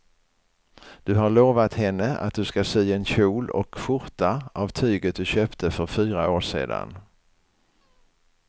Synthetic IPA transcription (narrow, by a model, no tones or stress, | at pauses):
d̪̥ɵɦaɭoːvat̪hɛnːəa̰t̪̚d̪ɵskasyːɛnɕuːlɔ̰kɧʊɾt̪aʔavt̪ʰyːɡət̪̚d̪ɵɕøːpt̪ʰəfœɾfyːɾaoːʂḛːd̪a̰n